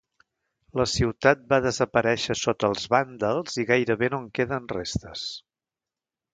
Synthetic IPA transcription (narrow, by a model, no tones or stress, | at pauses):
ləsiwt̪at̪̚baðəzəpəɾɛʃəsot̪əlˠzβand̪əlˠziɣajɾəβenoŋkeðənrest̪əs